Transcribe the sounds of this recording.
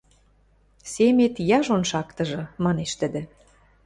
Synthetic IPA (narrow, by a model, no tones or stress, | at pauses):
semet̪jɑʒonʃɑkt̪ɤ̆ʒɤ̆mɑneʃt̪ə̆d̪ĕ